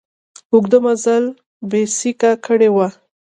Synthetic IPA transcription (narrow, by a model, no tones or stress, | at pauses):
ʊɡd̪əmazal | besikakəɽewa